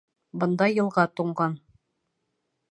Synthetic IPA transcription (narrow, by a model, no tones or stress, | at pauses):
bɤ̆nd̪ɑjɤ̆lˠʁɑt̪uɴɢɑn